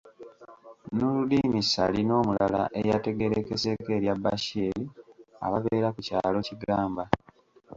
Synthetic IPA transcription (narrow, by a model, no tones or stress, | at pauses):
nuludiːmisa̰lino̞ːmulala̰ʔe̞jate̞ɡe̞ɾekese̞ke̞ːɾjabaʃiːɾia̰βaβeːɾakucaːlo̞ciɡaːmba